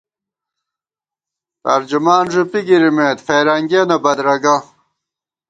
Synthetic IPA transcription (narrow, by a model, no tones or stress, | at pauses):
t̪ɐɾd͡ʑumaːnʐupiɡiɾimeːt̪feːɾɐŋɡenɐbɐd̪ɾɐɡɐ